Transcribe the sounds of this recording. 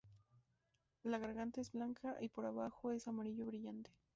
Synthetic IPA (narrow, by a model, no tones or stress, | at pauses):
laɣaɾɣant̪aezblaŋkʰaʔipoɾaβaxoe̞samaɾiʝoβɾiʝant̪e̥